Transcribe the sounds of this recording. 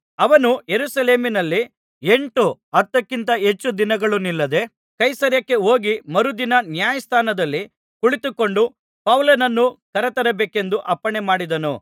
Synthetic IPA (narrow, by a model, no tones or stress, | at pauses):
ɐʋɐnujeɾusɐle̞ːminɐlːi | e̞ɳʈuɐt̪ːɐkːint̪ɐɦe̞t͡ʃːud̪inɐɡɐɭunilːɐd̪e̞ | kɐjsɐɾjɐkːe̞o̞ːɡimɐɾud̪inɐnjaːjɐst̪ʰaːnɐd̪ɐlːi | kuɭit̪ukːo̞ɳɖu | pɐwlɐnɐnːukɐɾɐt̪ɐɾɐbeːke̞nd̪uʔɐpːɐɳemaːɽid̪ɐnu